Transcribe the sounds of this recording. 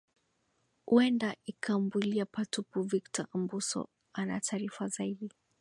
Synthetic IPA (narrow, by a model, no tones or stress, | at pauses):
huɛndaikʰambiliapatupuviktɔʔambusɔ̰ | ana̰tʰaːɾifazaiɗi